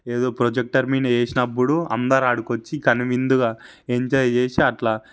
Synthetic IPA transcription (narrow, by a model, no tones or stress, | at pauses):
eːd̪oːpɾod͡ʒek̚ʈɐɾmiːneːsinɐpːuɽuɐ̰nd̪aːɾaːɽukot͡ʃːikɐnuʋind̪uɡa | eɲt͡ʃed͡ʒeːsiɐʈlaː